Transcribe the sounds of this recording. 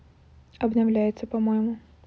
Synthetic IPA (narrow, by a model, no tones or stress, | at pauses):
ɐbnɐwlʲajɪt͡sʲːɐpɐmɔjɛmʊ